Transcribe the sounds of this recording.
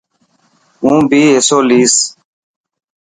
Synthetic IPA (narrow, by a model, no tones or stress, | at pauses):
ũːbʱiːɦɪsoːliːs